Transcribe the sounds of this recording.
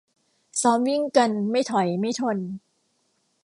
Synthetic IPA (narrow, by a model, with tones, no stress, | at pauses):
sɔː˦˥mwi˥˩ŋka˧nma˥˩jt̪ʰɔ˨˩˦jma˥˩jt̪ʰo˧n